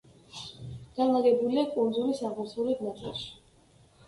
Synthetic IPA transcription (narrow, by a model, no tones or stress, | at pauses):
ɡ̥anlˠaɡɛbuliakʼund̪zulisabusulid̪nat̪ʼɛ̰lˠʃi̥